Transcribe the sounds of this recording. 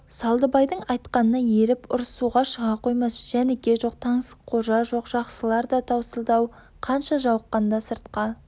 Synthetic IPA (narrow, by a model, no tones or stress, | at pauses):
sɑlˠd̪əbɑjd̪əɴɑjt̪qɑnənɑje̞ɾɪpʊɾsuʁɑʃəʁɑqʰo̞jmɑsʒ̥æne̞kʲe̞ʒo̞q̚t̪ʰɑɴsqʰo̞ʒɑʒo̞qʒ̥ɑqsəlˠɑɾd̪ɑt̪ʰɑwsəlˠd̪ɑw | qʰɑnʃɑʒɑwəqːɑnd̪ɑsəɾt̪qɑ